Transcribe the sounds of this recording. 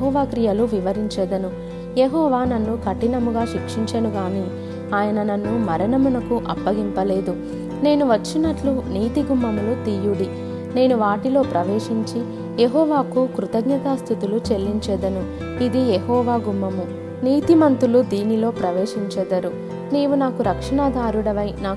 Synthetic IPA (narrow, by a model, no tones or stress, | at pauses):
ɦɔːʋaːkɾijɐluʋiʋɐɾiɲt͡ʃɛːd̪ɐnu | jeɦɔːʋaːnɐnːukɐʈːinɐmuɡaːʃikʂiɲt͡ʃɐnuɡaːni | aːjɐnɐnɐnːumɐɾɐnɐmunɐkuʔɐpːɐɡimpɐle̞ːd̪u | ne̞ːnuʋɐt͡ʃːinɐʈluniːt̪iɡumːɐmulut̪ijuɽi | ne̞ːnuʋaːʈilo̞ːpɾɐʋe̞ːʂiɲt͡ʃi | jeɦɔːʋaːkukɾut̪ɐɡɲɐt̪aːst̪ʰit̪ulut͡ʃe̞lːiɲt͡ʃɛːd̪ɐnu | id̪ijeɦɔːʋaːɡumːɐmu | niːt̪imɐnt̪ulud̪iːnilo̞ːpɾɐʋeːʂiɲt͡ʃɛːd̪ɐɾu | niːʋunaːkuɾɐkʂɐɳad̪ʱaːɾuɽɐʋɐjnaː